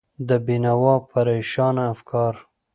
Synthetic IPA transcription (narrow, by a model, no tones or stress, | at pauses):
d̪əbinawɑpaɾejʃɑnaːfkʰɑɾ